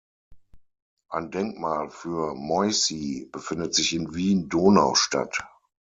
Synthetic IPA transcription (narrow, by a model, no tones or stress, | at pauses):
ʔaɪndɛŋkmaːlfyːɐmɔʏsib̥əfɪndətz̥ɪçɪnviːndoːnaʊʃta̰t